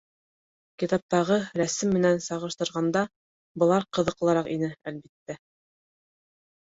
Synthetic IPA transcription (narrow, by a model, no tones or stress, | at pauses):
kit̪ɑp̚t̪ɑʁɤɾæsɘmːɘ̆nænsɑʁɤ̆ʃt̪ɤ̆ɾʁɑnd̪ɑ | bɤ̆lˠɑɾqɤ̆ðɤ̆qlˠɤ̆ɾɑqinɘælbit̪ːæ